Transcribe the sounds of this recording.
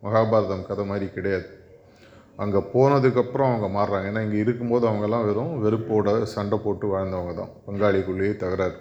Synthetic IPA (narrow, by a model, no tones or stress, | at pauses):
mɐɣaːbaːɾɐðɐmkɐðɐmaːd̪ɾikɪɽɐjaːðɯ | ʔɐŋɡɐpoːnɐðɯkːɐpːɯɾɔ̃ɐʋɐŋɡɐmaːɾɾaːŋɡɐeːnːaːɪŋɡɐɪɾɯkːɯmpoːðɯɐʋɐŋɡɐɛlːãːʋɛɾʊ̃ʋɛɾɯpːoːɽɐsɐɳɖɐpoːʈːɯʋɐːɻɐnd̪ɐʋɐŋɡɐt̪ã̰ːpɐŋɡaːɭikʊɭːɪjɐt̪ɐɣɐɾaːɾɯ